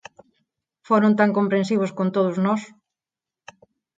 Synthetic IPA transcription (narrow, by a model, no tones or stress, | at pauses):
foɾõnt̪aŋkompɾẽnsiβ̞ʊskont̪oðʊznɔs